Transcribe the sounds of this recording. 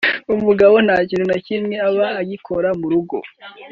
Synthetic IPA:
umuɡaβo̞n̥aːɟiɾenacimŋe̞aβaːɟikʰoɾamuɾuɡo̞̰

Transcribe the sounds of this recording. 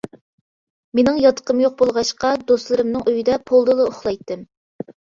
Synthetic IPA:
menɪŋjɑt̪ʰə̥qəmjoq̚bolˠʁɑʃqɑd̪oslˠɨɾɨmnɨŋʔyjid̪ɛpʰolˠd̪ɨlˠɨʊχlˠɑjt̪ːɪm

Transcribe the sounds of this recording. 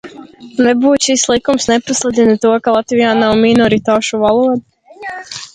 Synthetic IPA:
nebuːt͡ʃislˠikumsnepɔslˠɛd̪ʲinit̪uɔkalˠat̪ʋijaːnauminɔɾit̪aːʃuʋalˠuɔd̪a

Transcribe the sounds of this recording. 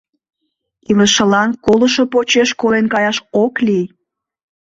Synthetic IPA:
iləʃəlɑnkoləʃo̽pot͡ɕeʃkolenkɑjɑʃoklij

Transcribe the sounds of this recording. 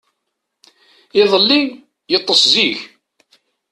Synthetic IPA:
ɪðˤəlːi | jət̪ˤːəsziç

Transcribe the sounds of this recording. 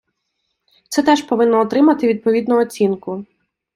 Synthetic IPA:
t̪sɛt̪ɛʒpɔʋɪnːɔɔt̪ɾɪmɐt̪ɪʋʲid̪̚pɔʋʲid̪nɔɔt͡sʲinkʊ

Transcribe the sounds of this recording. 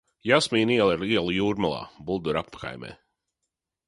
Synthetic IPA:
jasmiːniɛlˠiɾiɛlˠujuːɾmalˠɑ̰ːbulˠd̪uɾappḁka̰jmɛ̰ː

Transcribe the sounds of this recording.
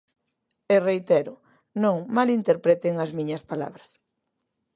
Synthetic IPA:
erejt̪eɾʊ | nõŋmalint̪eɾpɾet̪eŋɐzmĩɲɐspala̰βɾɐs

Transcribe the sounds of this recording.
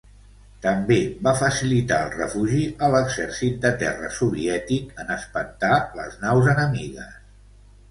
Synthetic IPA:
t̪əmbebafəsilit̪aəlˠrə̰fuʒiʔələɡzɛrsit̪̚d̪ət̪ɛrə̰suβiɛt̪ikənəspənt̪alə̰znawzənəmiɣə̰s

